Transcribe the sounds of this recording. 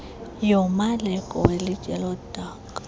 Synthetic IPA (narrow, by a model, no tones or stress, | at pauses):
jɔmalɛkʼɔwelɪt͡ʃʼɛlɔd̥ʱaːkʼa